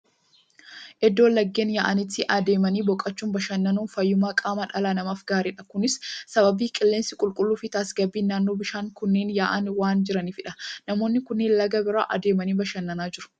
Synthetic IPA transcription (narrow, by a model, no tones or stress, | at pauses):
ʔɛd̪ːo̞ːlːɐɡːe̞ːnjaːʔɐnɪt̪ːɪʔɐd̪e̞ːmɐniːbɔkʼːɐt͡ʃːuːmbɐʃɐnːɐnuːnfɐjːʊmaːkʼaːmɐᶑɐlaːnɐmaːfɡaːɾiːᶑɐkʊnɪsːɐbɐbiːkʼɪlːeːnsɪkʼʊlkʼʊlːuːfɪt̪aːsɡɐbːiːnːaːnːo̞ːbɪʃaːŋkʊnːeːnjaːʔɐnwaːnd͡ʒɪɾɐniːfɪᶑɐnɐmo̞ːnːɪkʊnːeːnlɐɡɐbɪɾa̰ːʔɐ̰d̪e̞ːmɐniːbɐʃɐnːɐnaːd͡ʒɪɾʊ̥